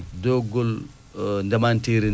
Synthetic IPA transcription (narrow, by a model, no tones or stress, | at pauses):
doɡol | ndɐmantiːɾi